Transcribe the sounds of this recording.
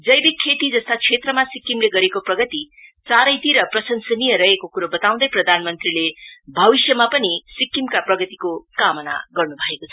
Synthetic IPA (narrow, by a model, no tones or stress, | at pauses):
d͡zʌjbikʰːet̪id͡zʌst̪at͡sʰet̪rʌmasikːimleɡʌɾekoprʌɡʌt̪i | t͡saɾʌjt̪iɾʌprʌsʌnsʌnijʌɾʌekokuɾobʌt̪aw̃d̪ʌjprʌd̪ʱanmʌnt̪rilebʱʌbisjʌmapʌnisikːimkaprʌɡʌt̪ikokamʌna̰ɡʌrnubʱʌekot͡sʰʌ